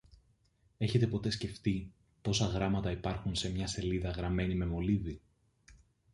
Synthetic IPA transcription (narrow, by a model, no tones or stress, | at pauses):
e̞çe̞t̪e̞po̞t̪e̞sce̞ft̪i | po̞sɐɣɾɐmɐt̪ɐipɐɾxunse̞mɲɐse̞liðɐɣɾɐme̞nime̞mo̞livi